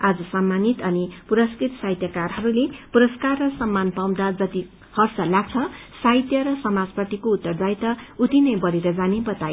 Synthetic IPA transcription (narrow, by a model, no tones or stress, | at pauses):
ad͡zʌsamːanit̪ʌnipuɾʌskrit̪sajt̪jakarɦʌɾulepuɾʌskarːʌsʌmːanpaw̃d̪ad͡zʌt̪i | hʌrsʌlaɡ̚t͡sʰʌ | sajt̪jʌɾʌsʌmad͡zpʌt̪ikout̪ːʌrd̪ajt̪ʌut̪inʌjbʌɾeɾʌd͡zanebʌt̪aj